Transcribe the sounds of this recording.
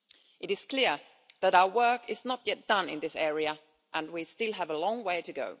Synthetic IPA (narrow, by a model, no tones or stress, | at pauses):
ʔɨɾɨz̥kʰl̥ɪɹ | ðɨɾaʊə˞wɜ˞kɪznət̚jɛt̚d̥ʌ̃nɪ̰̃nðɪsɛɹiɨ | ʔə̃nwistɪlˠəvəlɔ̃ŋweɪɾɨɡo̰ʊ